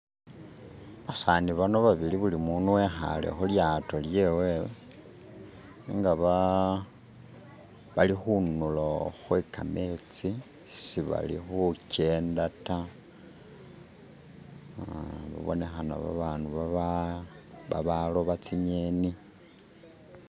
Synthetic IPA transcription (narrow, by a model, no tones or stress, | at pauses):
βasaːniβano̞βaβiliβulimunuwexa̰le̞̰xuljato̞lje̞we | iŋɡaβa | βalixunuloxwekame̞t͡si | siβa̰lḭxuce̞ːndata | βa̰βo̞̰ne̞xana̰βa̰βanuβaa | βa̰βalo̞βat͡siɲeni